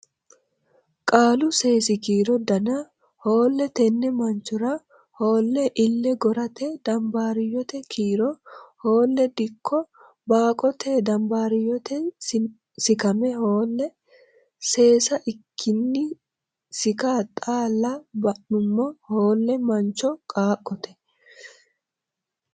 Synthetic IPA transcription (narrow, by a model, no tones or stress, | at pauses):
kʼaːlʊse̞ːsɪkiːɾɔd̪ɐnɐ | ho̞ːlːɛt̪ɛnːɛmɐnt͡ʃʊɾɐ | ho̞ːlːɛʔɪlːɛɡɔɾɐt̪ɛd̪̥ɐmbaːɾɪjɔt̪ɛkʰiːɾɔhoːlːɛd̪ɪkʰːɔ | baːkʼɔt̪ed̪ɐmbaːɾɪjɔt̪ɛ | sɪkɐmɛhoːlːɛ | se̞ːsɐʔɪkʰːɪnːɪ | sɪkaːt̪ʼaːlːɐbɐʔʊmːɔhoːlːɛmɐnt͡ʃːɔkʼaːkʼːɔt̪ɛ̥